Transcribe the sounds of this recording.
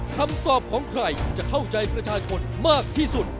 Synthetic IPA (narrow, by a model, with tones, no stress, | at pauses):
kʰa˧mt̪ɔː˨˩p̚kʰɔː˩˦ŋkʰɾa˧jt͡ɕa˨˩kʰa˥˩wt͡ɕa˧jpɾa˧t͡ɕʰaː˧t͡ɕʰo˧nmaː˥˩k̚t̪ʰiː˥˩su˨˩t̪̚